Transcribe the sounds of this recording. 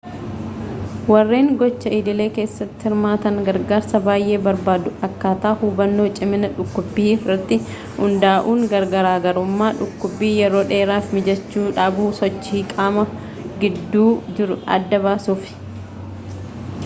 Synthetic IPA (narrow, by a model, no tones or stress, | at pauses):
wɐrːeːŋɡɔt͡ʃːɐiːd̪ɪle̞ːke̞ːsːɐt̪ːɪ̥hɪɾmaːt̪ɐŋɡɐɾɡaːɾsɐbaːjʔe̞ːbɐɾbaːd̪ʊɐkːaːt̪aːhuːbɐnːo̞ːt͡ʃʼɪmɪnɐᶑʊkːʊbːiːfɪrɐt̪ːɪ | hʊnd̪aːʔuːŋɡɐɾɡɐɾaːɡɐɾʊmːaːᶑʊkːʊbːiːjɛɾo̞ːᶑe̞ːɾaːfmɪd͡ʒɛt͡ʃːuːᶑaːbuːsɔt͡ʃːiːkʼaːmɐ | ɡɪd̪ːuːd͡ʒɪɾʊɐ̰d̪ːɐbaːsuːfɪ̥